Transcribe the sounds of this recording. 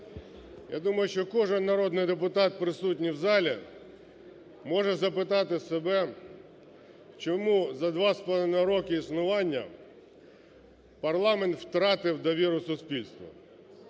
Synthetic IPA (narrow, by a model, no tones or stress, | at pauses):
ja̰d̪umɐjʊʃt͡ʃɔkɔʒɪnːɐɾɔd̪nɪjd̪ep̬ʊt̪ɑt̪̚pɾɪsut̬ʲnʲiwzɑlʲi | mɔʒɛzɐpɪt̪ɑt̪ɪsebɛ | t͡ʃɔmuzɐd̪ʋɑspnɐɾɔkɪisnʊʋɑnʲːɐ̰ | pɐrlˠɑment̪wt̪ɾɑt̪ɪwd̪ɐʋʲiɾʊsʊspʲilʲst̪ʋɐ̰